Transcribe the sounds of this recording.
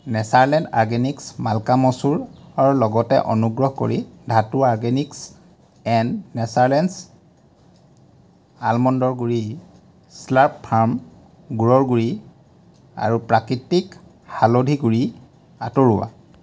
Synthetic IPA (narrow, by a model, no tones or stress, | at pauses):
nɛsaɹlɛnta̰ɹɡeniksmalkamɔsuɹaɹulɔɡɔtɛ̰ʔɔ̰nuɡɹɔɦko̰ɹidʱatuaɹɡeniks | ɛnːɛsaɹlɛns | almɔndɔɹɡuɹi | slaɹppʰaɹm | ɡuɹɔɹɡuɹi | a̰ɹupɹakɹitik | halodʱiɡuɹi | atoɹuwa̰